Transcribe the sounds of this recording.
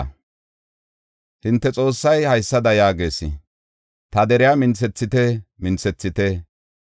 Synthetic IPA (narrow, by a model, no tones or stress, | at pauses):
hɪnt̪ːɛt͡sʼo̞ːsːɐjhɐjsːɐd̪ɐjaːɡe̞ːsɪ̰ | t̪ɐd̪ɛɾɪjaːmɪnt͡sːɛt͡sːɪt̪emɪnt͡sɛt͡sːɪt̪e